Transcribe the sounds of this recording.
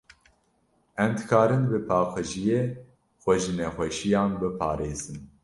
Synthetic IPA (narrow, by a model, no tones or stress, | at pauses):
ɛmd̪ɨkʰɑːɾɨnbɨpʰɑːqɨʒijeː | xʷɛʒɨnɛxʷɛʃijɑ̃ːnbɨpʰɑːɾeːzɨn